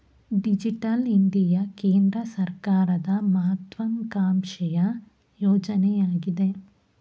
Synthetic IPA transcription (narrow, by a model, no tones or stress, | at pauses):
ɖid͡ʒiʈɐliɳɖijɐkeːnd̪ɾɐsɐɾkaːɾɐd̪ɐmɐɦɐt̪ʋɐŋkaːmʃɛjɐ | jɔːd͡ʒɐnɛjaːɡid̪e